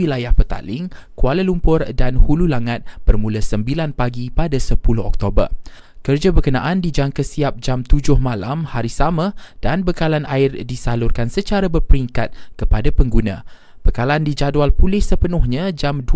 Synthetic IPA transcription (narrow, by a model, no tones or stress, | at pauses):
ilajahpət̪a̰lɪŋkualəlumpʊrdanhululaŋat̪̚b̥ərmũləsəmbilanpaɡipadasəpulʊhɔ̰k̚t̪obər | kərd͡ʒabərkənãʔandid͡ʒaŋkəsiap̚d͡ʒamt̪ud͡ʒʊhmãlamhaɾisamãd̥anbəkalanʔaɪrdisalʊrkansət͡ʃaɾabərpəɾiŋkat̪̚kəpadapəŋɡunã̰ | b̥əkalandid͡ʒadwalpulɪhsəpənʊhɲãd͡ʒamdu